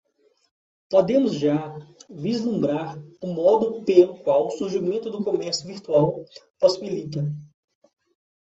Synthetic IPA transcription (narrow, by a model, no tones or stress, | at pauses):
pod̪ẽmʊzʒavizlũmbɾaɾʊmɔd̪ʊpelʊkwawʊsuɾʒimẽnt̪ʊd̪ʊkomɛɾsʊviɾt̪uawposibilit̪ɐ